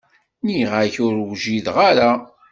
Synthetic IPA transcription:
niʁaçʊɾwʒiðʁaɾa

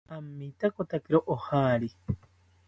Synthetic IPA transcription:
amːit̪akot̪akeɾoʔohaɾi

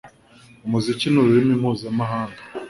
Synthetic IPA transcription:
umuzicinuɾuimimhuzamaɦaːŋɡa

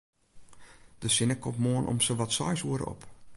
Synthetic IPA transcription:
d̥əsɪnəkʰːɔpmoənʔɔ̰msəʋɔtsɔ̰jsuəɾə̰ɔ̰p

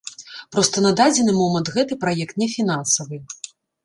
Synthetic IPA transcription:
pɾɔst̪ɐnɐd̪ad͡zʲɛnɨmɔmɐnt̪ɣɛt̪ɨpɾajɛkt̪nʲɛfʲinansɐvɨ

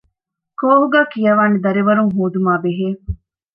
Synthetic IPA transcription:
koːɦuɡæːkijɐʋaːned̪ɐɾiʋɐɾuŋɦoːd̪umaːbeɦeː

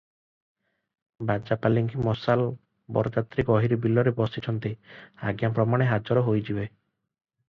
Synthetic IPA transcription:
bad͡ʒapaliŋkʰimɔsal | bɔ̰ɾɔt̪at̪ɾikɔɦiɾibilːɔɾebɔsit͡ʃʰɔnt̪iaɡjampɾɔmaɽ̃eɦad͡ʒɔɾɔɦojd͡ʒibe

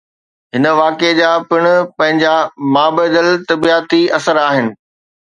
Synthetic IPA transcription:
ɦɪnə̆ʋaːked͡ʑaːpɪɽ̃ʊpɐ̃ɦɪ̃ɲd͡ʑamaːbəːd̪əlt̪ɐbiaːt̪iɐsəɾaːɦɪnɪ̆

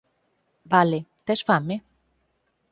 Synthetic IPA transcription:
balet̪esfame

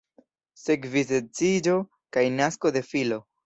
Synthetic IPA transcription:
se̞kvizet͡sid͡ʒo̞ | kajnasko̞de̞filo̞

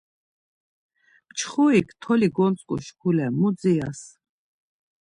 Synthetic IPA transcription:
mt͡ʃʰχuikʰt̪ʰɔliɡɔnt͡sʼkʼṵʃkʰulɛmud̪d͡zias

